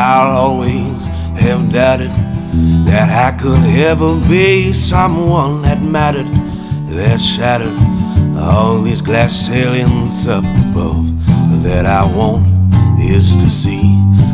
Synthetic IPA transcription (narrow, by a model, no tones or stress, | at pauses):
aɪlɔlˠwi | z̥ | ɨvdaʊɾɨd̪̚ðɨɾaɪkʰədɛvə˞bisʌ̃mwʌ̃nɨt̚mæɾə˞d̚ | ðɨtʃæɾə˞ɾ | ɔlðizɡlæs | elˠɪ̃nzʌpʌ̰v | ðɨɾaɪwõʊ̃ntɪz̥tʰɨsi